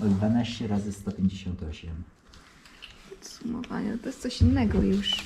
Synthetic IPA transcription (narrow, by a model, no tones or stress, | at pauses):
ɔd̪d̪vanaɕt͡ɕɛɾazɘst̪ɔpʲjeɲd͡ʑeɕɔnt̪ɔɕɛm | pɔt̪sumɔ̰va̰ɲɛ̰t̪ɔjɛst̪sɔɕinːɛɡɔjuʂ